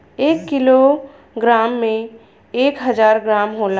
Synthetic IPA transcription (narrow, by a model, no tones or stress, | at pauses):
eːkːilo | ɡɾaːmːẽ | eːkɦəd͡ʒaːɾɡɾaːmɦola